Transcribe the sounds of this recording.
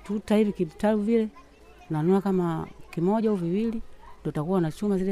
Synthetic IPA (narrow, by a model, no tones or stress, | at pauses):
tutahivikitaluvilɛ | nanuakamakimɔɟaauviwilindɔtakuwanat͡ʃumazilɛ